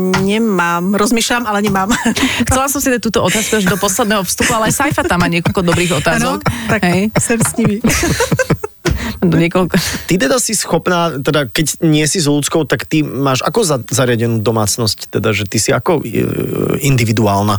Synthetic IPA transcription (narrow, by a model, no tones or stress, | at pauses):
ɲɛmaːmɾɔzmiːʃʎamalɛɲɛmaːmxtt͡sɛlasɔmsid̪ac̚t̪uːt̪ɔɔt̪aːskuaʒd̪ɔpɔslɛd̪nɛːɦɔfst̪upualɛajsajfat̪amːaːɲɪɛkɔlkɔd̪ɔbɾiːɣɔt̪aːzɔkt̪aɦɛjsɛmsɲiʋi | d̪ɔɲɪɛkɔlkɔt̪it̪̬ɛd̪asisxɔpnaːt̪ɛd̪akɛcɲɪɛsizlut͡skɔʊt̪akt̪imaːʒa̰kɔzazaɾɪaɟɛnuːd̪ɔmaːt͡snɔsct̪ɛd̪aʒɛt̪isiakɔ | ind̪iʋid̪uaːlna